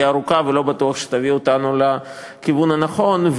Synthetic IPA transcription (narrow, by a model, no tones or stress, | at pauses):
aɾukavelo̞bat̪uɐχʃe̥t̪aviot̪anula | kivunanaχo̞nv